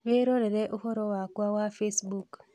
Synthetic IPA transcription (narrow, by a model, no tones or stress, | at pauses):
βeɾoɾeɾeʔuhoɾowakwawafesbuk